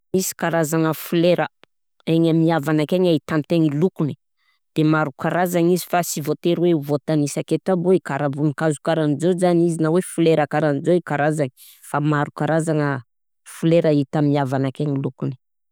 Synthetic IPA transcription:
misi̥kaɾazaŋəfuleɾə | eɲamiavanakeɲait̪ant̪eŋilukuni̥ | d̪̥emaɾukaɾazaŋizi̥fasivot̪eɾweuvot̪anisaket̪aboikaɾavunikazukaɾanizozanizinawefuleɾakaɾanizoikaɾazaŋi̥ | famaɾukaɾazaŋə | fuleɾait̪amiavanakeŋilukuni̥

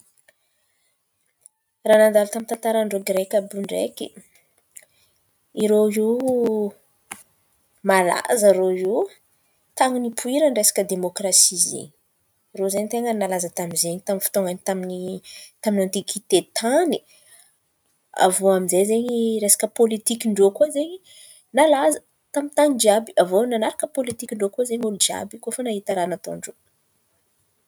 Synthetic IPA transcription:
raːnand̪alut̪amint̪ant̪aɾaɳɖ͡ʐoɡɾekʲabuɳɖ͡ʐḛkʲi | iɾoi | mala̰zəɾou | t̪aŋinipʰuiɾəɳɖ͡ʐesḁkəd̪emokɾasizḛɲ | rozeɲt̪eŋənnalazət̪amizeɲit̪amnfi̥t̪oŋanit̪aminit̪aminant̪ikʰit̪et̪ʰani | a̰voamizejzeɲiɾesḁkəpolit̪ikiɳɖ͡ʐokuozeɲi | nalazə | t̪amint̪aɲid͡ʒabiavonanaɾakəpolit̪ikʲiɳɖ͡ʐokozeɲulud͡ʒia̰bikofənaɦit̪aɾanat̪o̰ɳɖ͡ʐo

